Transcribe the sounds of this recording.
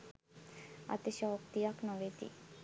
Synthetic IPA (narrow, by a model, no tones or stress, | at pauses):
a̰t̪eɕɔkt̪ijaknɔʋet̪ḭ